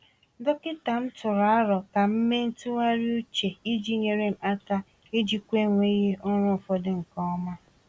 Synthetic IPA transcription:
dɔ˦kɪ˦ta˨m̩˦tʊ˨ɾa˨a˦ɾɔ˨ka˨m̩˦me˦n̩˦tʊ˦wa˦ɾi˦u˦t͡ʃe˨i˦d͡ʒi˦ɲe˨ɾe˦m̩˨a˦ta˦ | e˦d͡ʒi˨kʷe˦ŋʷe˦i˦ɦe˦ʊ˦ŋʷʊ˦˨fɔ˦dɪ˦ŋ̩˨kɔ˦ma˦

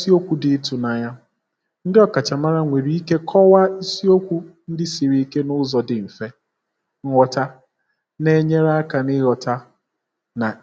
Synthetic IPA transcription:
si˦o˦kʷu˨dɪ˨˦tu˨na˨ɲa˦ | n̩˦dɪ˦ɔ˦ka˨t͡ʃa˨ma˦ɾa˦ŋʷe˨ɾi˦i˦ke˦kʰɔ˦wa˦i˦si˦o˦kʷu˦n̩˦dɪ˦si˨ɾi˦i˦ke˦nʊ˦zɔ˨dɪ˨m̩˨fe˦ | ŋ̩˦ŋʷɔ˦ta˦ | ne˦ɲe˦ɾa˦a˦ka˨nɪ˦ɾɔ˨ta˦ | na˨

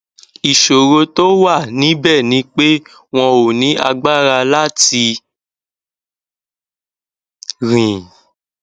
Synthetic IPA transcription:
i˨ʃo˨ɾo˧to˦wa˦˨nĩ˨˦bɛ˦˨nĩ˧k͡pe˦ | w̃ɔ̃˧o˨nĩ˨˦a̰˧ɡ͡ba˦˨ɾa˧la˦ti˧ | ɾĩ˨

